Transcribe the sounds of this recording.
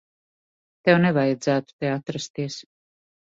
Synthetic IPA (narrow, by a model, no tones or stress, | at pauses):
t̪ɛwnevajad̪zæːt̪u̥t̪eat̪ɾast̪iɛs